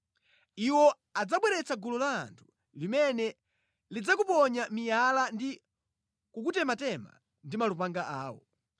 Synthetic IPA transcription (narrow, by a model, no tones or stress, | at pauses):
iwɔ | ad͡zaɓwɛɾɛt͡saɡulɔla̰ːntʰu̥ | limɛnɛ | lid͡zakupɔɲamijalandi | kukutɛmatɛma̰ | ndimalupaŋɡaʔaːwɔ̰